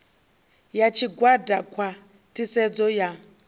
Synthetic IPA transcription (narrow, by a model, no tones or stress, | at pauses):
jat͡ʃʰiɡwadakʰwa | tʰisɛd͡zɔja